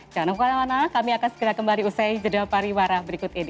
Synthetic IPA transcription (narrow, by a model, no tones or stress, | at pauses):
d͡ʒanaukaɾaŋanakamiakansəɡəɾakəmbaliusajd͡ʒədapaɾiwaɾabəɾikʊt̪edi